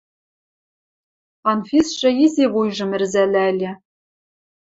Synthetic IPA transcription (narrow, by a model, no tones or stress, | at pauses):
ɑnfʲisʂɘ̆izʲeβujʐɤ̆mɘ̆rzælʲælʲɘ̆